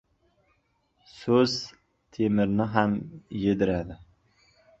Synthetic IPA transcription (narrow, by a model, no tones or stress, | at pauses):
sɵz̥ | t̪ʰemɪɾnɪɦamjed̪ɪɾad̪ɪ